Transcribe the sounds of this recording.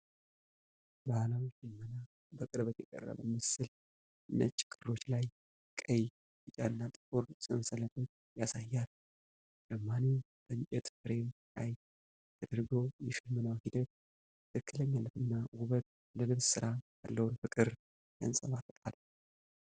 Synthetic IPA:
bahlawʃɪmːəna | bəkʼɨɾbət̪jɛkʼə̰rːə̰mə̰mɨsɨl | ʔɨnːə̰t͡ʃʼːɪ̥kʼɨro̞t͡ʃːlaj | kʼəj | bɨt͡ʃʼa̰nːat̪ʼɨkʼuɾsʼɨnsələt̪ʰo̞t͡ʃːjasajːal | dəmːane | b̪̥əɲt͡ʃʼɛt̪fɨɾe̞mlaj | t̪ʰəd̪ɨɾɡəwjɛʃɪmːənawhid̪ət̪̚ | t̪ʰɨkʰːɨləɲːalət̪ɨnːawʊβət̪ | ləlɨβssɨɾʔaja̰lːəwʊnfɨkʼɨɾ | ɡ̥ə̰nsʼəβat̪ʰək̪ʼa̰l

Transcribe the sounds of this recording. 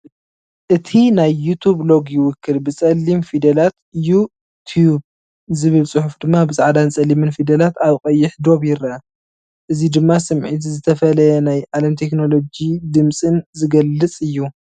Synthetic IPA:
ʔɨt̪ʰinajːut̪ʰublo̞ɡjɪwʊkʰːɨlbɨt͡sʼɐlːimfid̪ɐlat̪ɨju | t̪ʰjub̚ | zɨβɨlsʼɨħufd̪ɨmːabɨzaʕd̪ant͡sʼɐlimɨnfid̪ɐlat̪aβkʼɐjːɪħd̪o̞βjɪɾɐ | ʔɨzid̪ɨmːasɨmʕit̪zɨt̪ʰɐfɐlɐjɛnajʕalɐmt̪ʰe̞kno̞lo̞d͡ʒid̪ɨmsʼɨnzɨɡɐlːɨt͡sʼɨjːu

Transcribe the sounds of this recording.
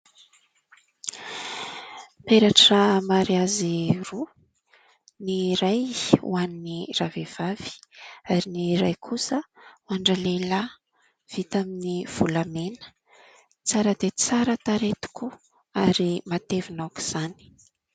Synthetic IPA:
peɾaʈ͡ʂamaɾiaziru | niɾajṵaniniravev̥av̥i̥aɾiniɾa̰jkʰusəwaɳɖ͡ʐəlela | v̥it̪aminiv̥ulamenə̥ | t͡saɾəd̪et͡saɾət̪aɾet̪u̥ku | aɾimat̪evinawku̥z̥ani̥

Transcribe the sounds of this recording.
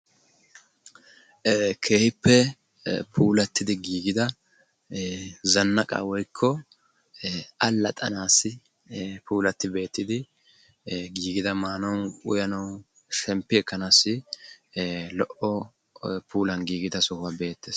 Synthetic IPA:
kʰe̞ːhɪpːɛ | pʰuːlɐt̪ːɪd̪ɪɡiːɡɪd̪ɐ | zɐnːɐkʼa̰ːwɔjkʰːɔ | ʔɐlːɐt̪ʼɐ̰naːsːɪ | puːlɐt̪ːɪbe̞ːt̪ːɪd̪ɪ | ɡiːɡɪd̪ɐmaːnɐwʊjɐnɐw | ʃɛmpːɪɛkːɐnaːsːɪ | lɔʔɔ | pʰuːlɐnɡiːɡɪd̪ɐsɔhʊwaːbe̞ːt̪ːeːs

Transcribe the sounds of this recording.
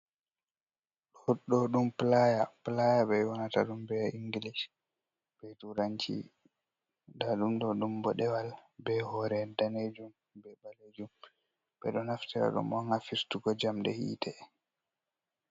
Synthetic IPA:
ɗɔhɗːɔɗumplajaplajabɛjwanata̰ɗumbɛʔiŋɡilis | bɛjtuɾaɲt͡ʃḭ | daɗumɗɔɗumbɔɗɛwalbɛhɔɾɛdaned͡ʒum | bɛbaled͡ʒum | bɛ̰ɗɔnaftiɾa̰ɗṵmwɔŋafiɾtuɡɔd͡ʒamdɛ̰hḭːtʰɛ

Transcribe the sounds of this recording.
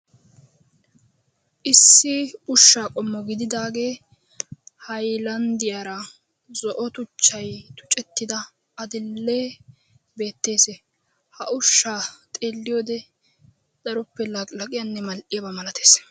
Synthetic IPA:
ʔɪsːɪʊʃːaːkʼɔmːɔɡɪd̪ɪd̪aːɡe̞ː | hɐjlɐnd̪ɪjaːɾɐ | zɔʔɔt̪ʊt͡ʃːɐjt̪ʊ̥t͡ʃʼːɛt̪ːɪd̪ɐ | ɐd̪ɪlːeː | be̞ːt̪ːe̞ːse | hɐʔʊʃːaːt̪ʼe̞ːlːɪjod̪ɛ | d̪̥ɐɾʊpːɛlɐkʼlɐkʼɪjɐnːɛmɐlʔɪjɐbɐmɐlɐt̪e̞ːs

